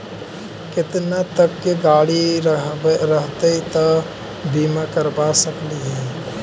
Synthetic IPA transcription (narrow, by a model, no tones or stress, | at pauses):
kɪt̪nat̪əkːeɡaːɽiɾɾəɦt̪eit̪ə | bʱiːmakəɾbasəkliɦɛ̃